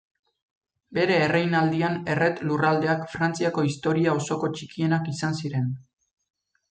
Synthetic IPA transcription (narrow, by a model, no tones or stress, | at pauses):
be̞ɾe̞ːrejnald̪iane̞re̞t̪lurald̪e̞akfɾant͡siako̞ist̪o̞ɾiao̞so̞ko̞t͡ʃikie̞nakisansiɾe̞n